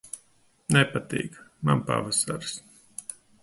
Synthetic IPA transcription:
nɛpat̪ḭːkmanpa̰vasaɾs

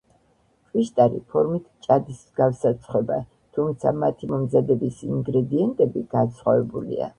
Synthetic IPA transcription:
t̪ʼviʃt̪ʼaɾḭpʰɔɾmit̪ʰt͡ʃʼad̪ismzɡafsat̪sʰχwɛba | t̪ʰumt̪sʰamat̪ʰimɔmzad̪ɛbisiŋɡɾɛd̪iɛnt̪ʼɛbiɡ̥at̪sʰχwavɛbulḭa̰

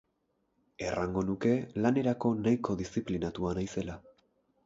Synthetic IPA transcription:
e̞raŋɡo̞nuke̞lane̞ɾako̞najko̞ðisiplinat̪uanajse̞la

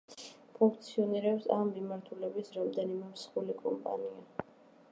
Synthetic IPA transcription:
pʰuŋk̚ʰt̪sʰiɔniɾɛpsamːimaɾt̪ʰulɛbisɾamd̪ɛnimɛmsχulikʼɔ̰mpʼa̰nia

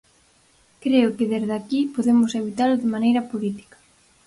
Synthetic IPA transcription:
kɾeʊkɪðezðakipoðemʊseβit̪alʊðɪmanejɾɐpolit̪i̥kḁ

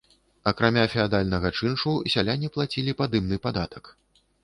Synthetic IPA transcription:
ɐkɾamʲafʲɛad̪alʲnɐɣɐt͡ʂɨnʂusʲalʲanʲːiplˠat͡sʲilʲipad̪ɨmnɨpad̪at̪ɐ̥k

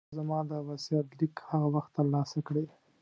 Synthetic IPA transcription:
zamɑd̪əwasiat̪likhaɣawaxt̪ːəɾlɑsakɽe

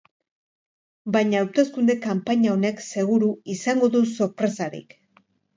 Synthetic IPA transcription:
bajɲaːwt̪e̞skund̪e̞kampaɲao̞ne̞kse̞ɣuɾuisaŋɡo̞ðuso̞ɾpɾe̞saɾḭk

